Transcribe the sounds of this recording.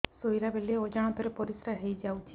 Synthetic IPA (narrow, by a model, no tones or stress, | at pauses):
sojɾabeliod͡ʒaɽ̃ɔ̃t̪ɔɾepɔɾisɾaɦejd͡ʒawt͡ʃʰi